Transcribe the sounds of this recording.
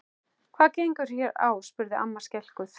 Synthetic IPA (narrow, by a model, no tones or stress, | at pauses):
kʰvaːcejŋkʏɾ̥çjɛɾa̰ːwspʏɾðɪʔa̰mːaɾscɛl̥kʏθ